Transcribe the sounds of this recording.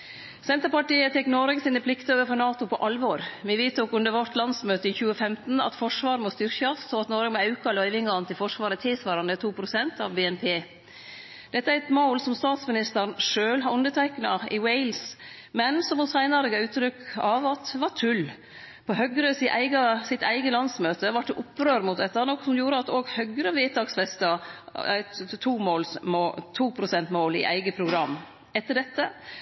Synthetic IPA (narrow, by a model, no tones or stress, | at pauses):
sɛnt̪əɾpɑʈiːət̪ʰɛkːnɔɾɡsiːnəpʰlɪkt̪əoːʋəɾfɔɾnɑːt̪ʊpʰɔʔɑlʋɔɾʋɪʋiːt̪ʰuːkʉnd̪əɾʋɔt̪lɑnsmøːt̪əɪçʉːəfɛmt̪n̩ɑ̰t̪fɔʂʋɑːɾəmɔst̪ʏɾçɑsɔɑt̪nɔɾɡmɔɑʉkɑlœʏʋɪŋɑnt̪ʰɪlfɔʂʋɑːɾət̪ʰɪlsʋɑːɾɑnd̪ət̪ʰuːpʰɾʊsɛnt̪ɑ̰ʋbeːɛnpʰeː | d̪̥ɛt̪ːəæɾɛt̪moʊlsɔmst̪ɑːt̪smɪnɪst̪əɾnʂøːlɦɑɾʉnd̪əʈ̪ʰæɪknɑɪwɛɪls | mɛnsɔmɔsæɪnɑɾəɡɑʉːt̪ːɾʏkːɑʋɑt̪ʋɑʈʰʉl | pʰɔɦœɡɾəsɪʔæɪɡɑsɪt̪ʰæɪɡəlɑnsmøːt̪əʋɑʈ̚d̪ɛʔʊpːɾøːɾmʊt̪̚d̪ɛt̪ːɑnɔkːsɔmjuːɾəɑt̪oːɡhœɡɾəʋeːt̪ɑksfɛst̪əæ̰t̪t̪ʰuːmoːlsmot̪ʰuːpʰɾʊsɛnt̪moːlɪ̰ʔæ̰ɪɡəpʰɾʊɡɾɑm | ɛt̪ːəɖɛt̪ːə